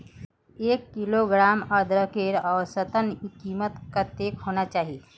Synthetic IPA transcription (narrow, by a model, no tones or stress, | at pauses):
eːkːiloɡɾaːməd̪ɾəkeɾɔːɾsət̪ənkiːmət̪kat̪eːkɦoːnat͡ʃaːɦie